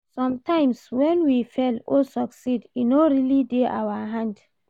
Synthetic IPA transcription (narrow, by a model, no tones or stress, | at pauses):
sɔ̃mtãɪ̃mswɛ̃nwifɛlosɔksidinoɹilideʔa̰waɦãnd